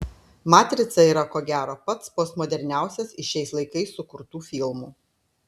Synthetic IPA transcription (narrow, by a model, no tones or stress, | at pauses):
mɑːt̪ʲɾʲɪt̪sɐiːɾɐkoːɡʲæːɾoːpɐt̪spoːsmɔːd̪ʲɛɾʲnʲæˑʊsʲɛsɪʃʲɛɪslˠɐɪkɐɪsːʊkʊɾt̪uːfʲɪlˠmuː